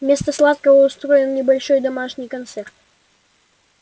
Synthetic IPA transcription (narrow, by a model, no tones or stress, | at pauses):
mʲe̞st̪əslˠat̪̚kəvəʊst̪ɾojɪnnʲɪbɐlʲʂo̞jd̪ɐmaʂnʲɪjkɐnt̪sert̪